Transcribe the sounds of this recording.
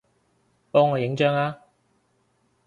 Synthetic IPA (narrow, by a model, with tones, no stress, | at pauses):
pɔː˥ŋːɔː˨˧jɪ˨˥ŋt͡ʃœː˥ŋaː˧˥